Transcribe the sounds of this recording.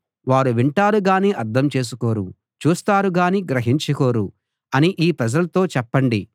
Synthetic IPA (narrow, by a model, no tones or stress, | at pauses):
ʋaːɾuʋiɳʈaːɾuɡaːniːʔɐɾd̪ʱɐmt͡ʃe̞ːs̬uko̞ːɾu | t͡ʃuːst̪aːɾuɡaːniːɡɾɐɦiɲt͡ʃuko̞ːɾu | ɐniʔiːpɾɐd͡ʒɐlɐt̪o̞ːt͡ʃɛpːɐɳɖi